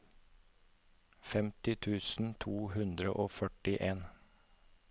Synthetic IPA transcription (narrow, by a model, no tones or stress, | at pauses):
fɛmt̪ɪt̪ʰʉːsn̩t̪ʰuːhʉnd̪ɾəʔoːfœʈɪʔeːn